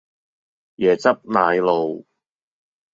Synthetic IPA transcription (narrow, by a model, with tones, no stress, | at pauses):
jɛː˨˩t͡sɐ˥p̚naː˨˧jlo˨˧w